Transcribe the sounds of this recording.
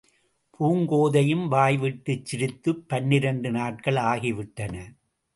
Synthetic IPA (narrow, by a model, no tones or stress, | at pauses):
pʰuːŋɡoːðɐjɯmʋaːjʋɪʈːɯt͡ʃːɪɾɪt̪ːɯpːɐnːɪɾɐɳɖɯnaːʈ̚kɐɭaːɣiʋɪʈːɐnɐ